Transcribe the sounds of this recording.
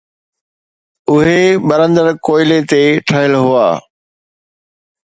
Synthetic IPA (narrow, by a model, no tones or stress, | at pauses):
ʊɦeɓɐɾə̃nd̪əɾkoːɪlet̪eʈʰəɦəlɦʊa̰ː